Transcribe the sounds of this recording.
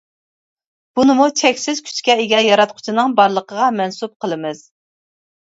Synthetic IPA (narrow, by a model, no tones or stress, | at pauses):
b̥unɨmut͡ʃʰɛkʲsɪz̥kʲʰy̥t͡ʃkʲɛeɡʲɛjɑɾɑt̪̚qʰʊ̥t͡ʃʰɪnɨŋbɑɾlˠəqəʁɑmɛnsup̚qʰəlˠɨmɨz̥